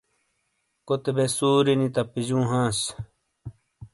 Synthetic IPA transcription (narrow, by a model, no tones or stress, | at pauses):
kot̪ebesuːɾinit̪ɐpiʑũːɦãːs